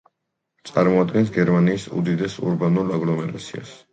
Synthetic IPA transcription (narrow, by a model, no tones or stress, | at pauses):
t̪sʼaɾmɔad̪ɡɛns̬ɡɛɾmaniːsṵd̪id̪ɛsṵɾbanulˠaɡlɔmɛɾat̪sʰia̰s